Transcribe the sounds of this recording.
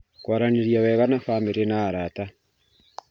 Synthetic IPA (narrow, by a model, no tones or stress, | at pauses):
kwaɾaneɾjaβɛβanafameɾenaːɾata